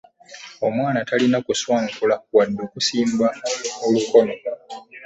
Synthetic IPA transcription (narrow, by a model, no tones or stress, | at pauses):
o̞mwaːnatalinakuswaːŋkulawadːokusiːmbaoluko̞no̞